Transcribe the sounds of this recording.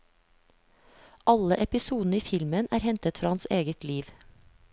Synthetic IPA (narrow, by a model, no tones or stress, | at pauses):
ʔɑləʔɛpɪsuːd̪n̩əiːfɪlmənæːɾhɛnt̪ət̪fɾɑːɑnseːɡət̪liːʋ